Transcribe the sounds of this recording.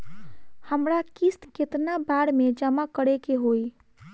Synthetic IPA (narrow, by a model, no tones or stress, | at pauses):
həmɾakist̪ket̪nabaɽmed͡ʒəmakəɽekeɦoj